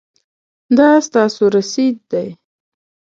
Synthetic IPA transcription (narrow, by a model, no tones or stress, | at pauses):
d̪ɑst̪ɑsoɾasid̪̚d̪aj